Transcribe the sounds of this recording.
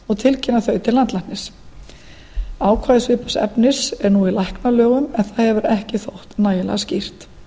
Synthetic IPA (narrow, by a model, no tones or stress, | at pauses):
ɔɣt̪ʰɪlcʰɪnːaθœɥt̪ʰɪlːant̪lajnnɪs | aːwkʰvaːjðɪsvɪːhpḁsɛ̰pnɪsɛɾnuːilajhknalœːɣʏmɛnθaðhɛvʏɾɛhcɪθowht̪naːjɪlɛ̰ɣascir̥t̪